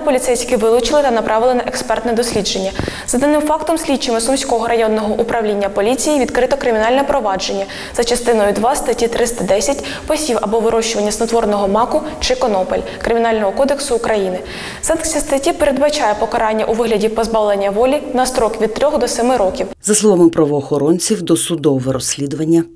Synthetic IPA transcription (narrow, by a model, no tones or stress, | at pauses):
pɔlʲit̪sɛjsʲkɪʋɪlˠʊt͡ʃɪlˠɪt̪ɐnɐpɾʔɑʋɪlˠɪnɐʔɛkspɛrt̪nɛd̪ɔsʲlʲid͡ʒe̞nʲːɐzɐd̪ɐnɪmfɑkt̪ɔmsʲlʲidt͡ʃɪmɪsʊnʲsʲkɔɦɔɾɐjɔnːɔɦɔʔupɾɐʋlʲinʲːɐpɔlʲit͡sʲijiʋʲid̪kɾɪt̪ɔkɾɪmʲinɑlʲnɛpɾɔʋɑd͡ʒe̞nʲːɐ | z̥ɐt͡ʃɐst̪ɪnɔjd̪ʋɑst̪ɐtʲit̪ɾɪst̪ɐd̪ɛsʲɐtʲ | pɔsʲiwɐ̰bɔʋɪɾɔʃt͡ʃʊʋɐnʲːɐsnɔt̪ʋɔrnɔɦɔmɑkʊt͡ʃɪkɔnɔpɔlʲ | kɾɪmʲinɑlʲnɔɦɔkɔd̪eksʊːkɾɐjinɪ | sɑnksʲist̪ɐtʲipeɾe̞d̪bɐt͡ʃɑjɛpɔkɐɾɑnʲːɐʔuʋɪɦlʲɐdʲipɔzbɑʋlˠenʲːɐʋɔlʲinɐst̪ɾɔkʋʲid̪̚t̪ːɾʲɔxd̪ɔsɛmɪɾɔkʲiwzɐslˠɔʋamɪpɾɐʋɔːxɔɾɔnʲt͡sʲiwd̪ɔsʊd̪ɔʋɛɾɔsʲlʲid̪ʊʋɐnʲːɐ